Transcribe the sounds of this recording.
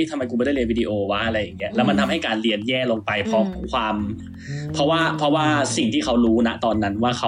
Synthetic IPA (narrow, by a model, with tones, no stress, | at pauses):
iː˥˩t̪ʰa˧ma˧jku˧ɔː˧˥˩da˥˩li˧nwi˦˥di˧ʔoː˧wa˦˥ʔa˧ɾa˧jːa˨˩ŋːi˦˥ɐʔlɛː˦˥wma˧nt̪ʰa˧mɦa˥˩jkaː˧nli˧ənjɛː˥˩loː˧ŋpa˧jpʰɾɔ˦˥kʰwaː˧m | pʰɔ˦˥waː˥˩pʰɔ˦˥waː˥˩si˨˩ŋt̪ʰiː˥˩kʰa˦˥wɾuː˦˥na˦˥t̪ɔː˧nːa˦˥nwaː˥˩kʰa˦˥